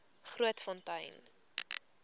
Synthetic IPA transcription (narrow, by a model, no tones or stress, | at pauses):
χruətfɔntɐjn